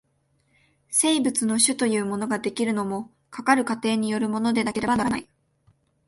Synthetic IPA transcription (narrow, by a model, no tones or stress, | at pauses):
se̞ibɯ̟t͡sɨno̞ɕɨt̪o̞jɯ̟ːmo̞no̞ɡad̪e̞kʲiɾɯ̟no̞mo̞ | kʰakaɾɯ̟kat̪e̞ːɲ̟ijo̞ɾɯ̟mo̞no̞d̪e̞nake̞ɾe̞banaɾanai